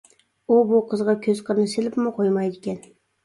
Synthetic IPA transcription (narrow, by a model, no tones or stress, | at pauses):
ubʊqʰəzʁɑkʲʰɵz̥qʰəɾnɪsɪlɪpmɪqʰojmɑjd̪ɪkʲɛn